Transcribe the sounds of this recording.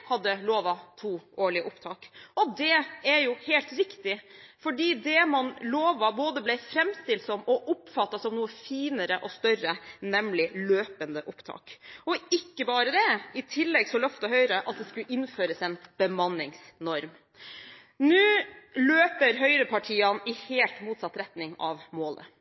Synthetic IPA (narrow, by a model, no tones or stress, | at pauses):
hɑd̪ːəloːʋɑt̪ʰuːʔoːɭɪəʔʊpt̪ʰɑːkɔd̪ɛɛɾjʊhɛlt̪ɾɪkt̪ɪfɔɖiːd̪ɛmɑnloːʋɑboːd̪əblɛɪfɾɛmst̪ɪlsɔmɔʔʊpfɑt̪ːɑsɔmnuːəfiːnəɾəʔɔst̪œɾənɛmlɪløːpənd̪əʔʊpt̪ʰɑ̰ːkɔɪkːəbɑːɾəd̪ɛɪt̪ʰɪlːɛɡsɔlœft̪ɔɦœʏɾəʔɑt̪̚d̪ɛskʉʔɪnføːɾəsɛnb̥əmɑnːɪŋsnɔɾm | nʉːløːpəɾɦœʏɾəpʰɑʈʰiːɑnɪheːlt̪muːt̪sɑt̪ːɾɛt̪nɪŋɑʋmoːlə̰